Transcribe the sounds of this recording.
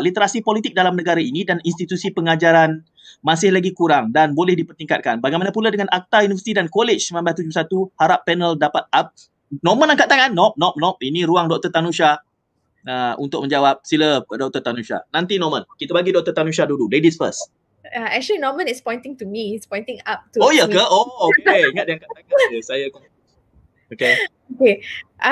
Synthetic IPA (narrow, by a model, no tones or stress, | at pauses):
lit̪əɾasipolit̪ik̚dalamnəɡaɾainĩdaninst̪it̪usipəŋad͡ʒaɾan | masɪhlaɡikuɾaŋdanbolɛhdipərt̪iŋkat̪̚kanbaɡajmanapuladəŋanʔak̚t̪ajunivəsit̪idankolet͡ʃsəmãmbat̪̬ud͡ʒʊsat̪uhaɾapːɛnəldapat̪̚ap̚ | nɔmə̃naŋkaʔ̚t̪aŋanːɔp̚nɔp̚nɔp̚inĩɾuaŋdɔk̚t̪ərt̪anuʃa | aṵnt̪ʊk̚mə̃ɲd͡ʒawap̚siləədɔk̚t̪ət̪anuʃa̰nant̪inɔmənkit̪əbaɡidɔk̚t̪ət̪anuʃ̬adududedisfə̰s | aɛk̚t͡ʃəlinɔmə̃nɪtspɔ̃j̃ntɪ̃ŋtumiɪtspɔ̃j̃ntɪ̃ŋap̚tuojəkəookeiŋat̪̚diaŋkaʔt̪aŋansajak | oke | okeʔ